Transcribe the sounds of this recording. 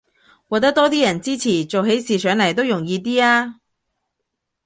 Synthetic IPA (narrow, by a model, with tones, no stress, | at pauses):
wɔː˨˧t̪ɐ˥t̪ɔː˥t̪iː˥jɐ˨˩nt͡siː˥t͡sʰiː˨˩t͡so˨wɦe˨˥jsiː˨sʰœː˨˥ŋlɐ˨˩jt̪o˥wjʊ˨˩ŋjiː˨˧t̪̬iː˥aː˥